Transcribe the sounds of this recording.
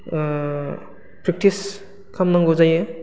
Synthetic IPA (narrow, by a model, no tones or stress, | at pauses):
pɾik̚tis | kʰamnaŋɡozajɯ